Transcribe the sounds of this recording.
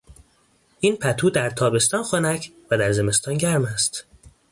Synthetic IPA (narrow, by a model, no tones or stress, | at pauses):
ʔiːnpʰæt̪ʰuːd̪æɾt̪ʰɒːbe̞st̪ɒːnxonæcʰvæd̪æɾze̞me̞st̪ɒːnɟæɾmæst̪